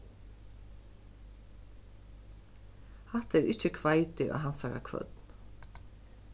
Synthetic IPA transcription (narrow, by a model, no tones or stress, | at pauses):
hɑt̪əɾɪçəkʰʋɑɪt̪ɪʔo̰ːhɑnsɑɾɑ̰kʰʋœ̰d̪n̩